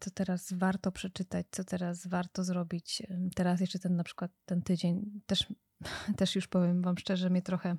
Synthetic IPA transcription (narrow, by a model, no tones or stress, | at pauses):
t̪sɔt̪ɛɾasvaɾt̪ɔpʂɛt͡ʂɘt̪at͡ɕt̪sɔt̪ɛɾasvaɾt̪ɔzɾɔbʲit͡ɕt̪ɛɾas̬jɛʂt͡ʂɛt̪ɛnːapʂɘ̥kwat̪ːɛnt̪ɘd͡ʑeɲt̪ɛʂ | t̪ɛʂjuʂpɔvʲjɛmvamʂt͡ʂɛʐɛmʲɲɛt̪ɾɔxɛ